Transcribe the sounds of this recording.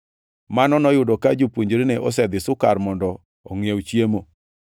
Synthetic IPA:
manɔnɔjʊdɔkad͡ʒopwoɲd͡ʒɾenɛʔɔs̬ɛd̪ɪsʊkaɾmɔndɔː | ŋjewt͡ʃjemo

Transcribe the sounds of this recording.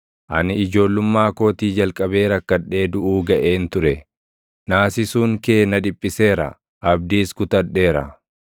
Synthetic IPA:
ʔɐ̰nɪɪd͡ʒo̞ːlːʊmːaːko̞ːt̪iːd͡ʒɐlkʼɐbe̞ːɾɐkːɐᶑe̞ːd̪ʊʔuːɡɐʔeːnt̪ʊɾɛ | naːsɪsuːŋke̞ːnɐd̪ɪpʼːɪse̞ːɾɐ̰ | ʔɐb̚d̪iːskʊt̪ɐᶑːe̞ːɾɐ̰

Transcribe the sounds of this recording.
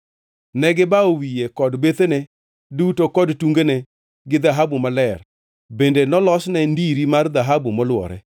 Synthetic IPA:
nɛɡɪbaowijekɔdbet̪ene | dutokɔdtuŋɡene | ɡɪd̪aɦabumalɛr | bendenɔlɔsnɛndiɾimard̪aɦabumɔlwɔ̰ɾɛ̰

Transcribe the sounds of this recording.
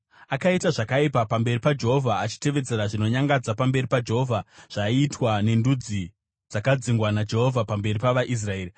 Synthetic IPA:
akaitaʐakaipapambe̞ripad͡ʒe̞ɦovʱaːt͡ʃi̥te̞ʋe̞d͡ze̞ɾaʐino̞ɲaŋɡad͡zapambe̞ripad͡ʒeɦovʱaʐ̥aiːtwane̞ndud͡zi | d͡zakad͡ziŋɡwanad͡ʒe̞ɦo̞vʱapambe̞ripaʋaʔis̬rae̞ːri

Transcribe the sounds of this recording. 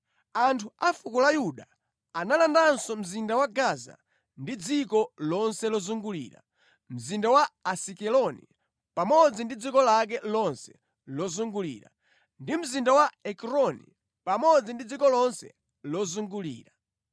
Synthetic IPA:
antʰuafukulajuɗa | analandansɔm̩zindawaɡaza̰ | ndid͡zikɔlɔnsɛlɔzuŋɡulḭːɾa̰ | m̩zindawaasikɛlɔnḭ | pamɔd͡zindid͡zikɔlak̬ɛlɔnsɛ̥ | lɔzuŋɡulḭːɾa̰ | ndim̩zindawaɛkɾɔnḭ | pamɔd͡zindid͡zikɔlɔnsɛ̰ | lɔzuŋɡulḭːɾa

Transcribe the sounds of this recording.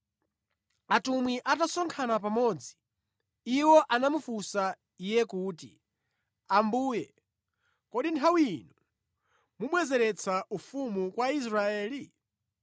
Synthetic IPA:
atumwiʔatasɔŋkʰanap̬amɔːd͡zi̥ | iwɔʔanamufusa | ijɛkuːtḭ | ambuːjɛ | kɔɗintʰawiinu | muɓwɛzɛɾɛt͡sʰaʔufumukwais̬ɾaɛːli

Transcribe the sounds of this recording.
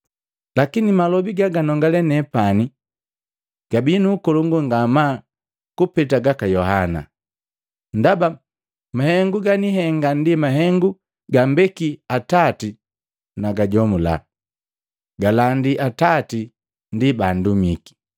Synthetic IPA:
lakinimalɔbiɡaɡanɔŋɡalɛnɛpani | ɡ̥abinuːkɔluŋɡuŋɡama | kupɛt̬aɡakajɔɦana̰ | ndaba | mahɛŋɡuɡaniɦɛŋɡandimaɦɛŋɡu | ɡambɛkiatati | naɡaɟɔmula̰ | ɡalandiʔatati | ndibandumiki̥

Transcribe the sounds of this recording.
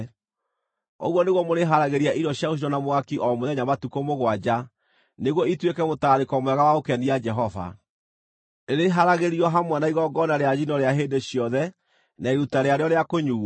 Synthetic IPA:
o̰ɣwɔneɣwɔmoɾeɦaɾaɣeɾiaʔiɾɔɕjaosinɔnamoakiʔɔmoðɛɲamatukomoɣwad͡ʑa | neɣwɔitwekɛmotaːɾekɔmwɛɣawaokɛniad͡ʒɛɦɔva̰ | eɾeɦaɾaɣeɾiɔɦamwanaiɣɔɡɔnaɾeaɣinɔɾeaɦeːndeɕiɔðɛ | naeɾutaɾeaɾeɔɾeakoɲuː

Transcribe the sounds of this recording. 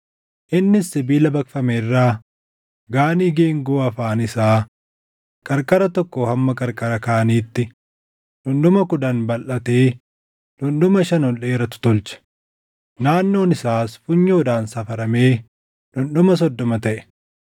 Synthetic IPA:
ʔɪnːɪsːɪbiːlɐbɐkfɐmerːaː | ɡaːniːɡeːŋɡoːɐfaːnɪsaː | kʼɐɾkʼɐɾɐt̪ɔkːohɐmːɐkʼɐɾkʼɐɾɐkaːniːt̪ːɪ | d̪̥ʊnd̪ʊmɐkʊd̪ɐnbɐlʔɐt̪eː | d̪̥ʊnd̪ʊmɐʃɐnɔle̞ːɾɐt̪ʊ̥t̪ɔlt͡ʃɐ̥ | naːnːo̞ːnɪsaːsfʊɲːoːd̪aːnsɐfɐɾɐme̞ː | dʊnɗʊmɐs̬ɔd̪ːɔmɐt̪ɐʔɛ̥

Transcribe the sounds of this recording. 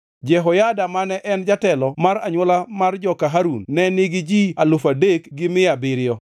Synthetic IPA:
d͡ʒɛɦɔjadamanɛʔɛnd͡ʒatɛlɔmaɾaɲwɔlamard͡ʒɔkaɦaɾunːɛnɪɡɪd͡ʒialofadekɡɪmɪabɪɾɪjɔ

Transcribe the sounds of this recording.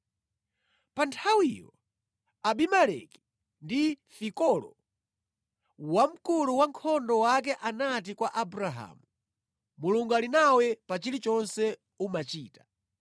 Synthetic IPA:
pantʰawijɔ̰ | aɓimalɛ̰ki̥ | ndifikɔlɔ̰ | wam̩kuluwaŋkʰɔndɔwak̬ɛʔanat̬ikwaʔabuɾaɦa̰ːmu | muluŋɡalinawɛpat͡ʃilit͡ʃɔnsɛ | umat͡ʃiːtḁ

